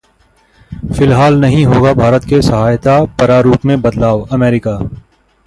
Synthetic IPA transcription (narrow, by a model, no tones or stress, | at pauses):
fɪlɦaːlnɐɦĩɦoːɡabʱaːɾət̪kesɐɦaːjt̪apɐɾaɾuːpmẽbɐd̪laːʋɐmɛːɾɪkaː